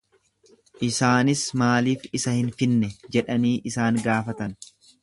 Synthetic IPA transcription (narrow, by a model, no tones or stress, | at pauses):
ʔɪsaːnɪsmaːliːfɪsɐhɪnfɪnːɛd͡ʒɛᶑɐniːʔɪsaːŋɡaːfɐt̪ɐn